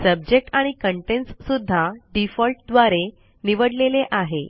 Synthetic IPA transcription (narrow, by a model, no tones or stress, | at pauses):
səb̚d͡ʑek̚ʈaɽ̃ikəɳʈenssud̪ʱːaɖifɔlʈ̚d̪ʋaɾe | niʋəɽleleʔaɦe